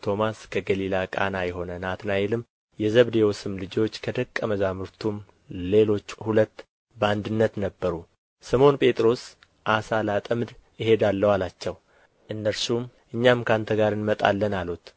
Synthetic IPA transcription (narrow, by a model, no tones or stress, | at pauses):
t̪ʰo̞maskʰəɡəlilakʼa̰najɛɦo̞nənat̪najɛlɨm | jɛzəβd̪ewosɨmlɨd͡ʒo̞t͡ʃːkʰəd̪əkʼːəməzamɨɾt̪ʰum | le̞lo̞t͡ʃːhulət̪ː | bəand̪ɨnːət̪nəbːəɾu | səmo̞npʼe̞t̪ʼɾo̞s | ʔasalat̪ʼəmd̪ɨɦe̞d̪alːəwalat͡ʃːɛw | ʔɨnːəɾsum | ʔɨɲːamkʰant̪ʰəɡaɾɨnmət̪ʼa̰lːənalut̪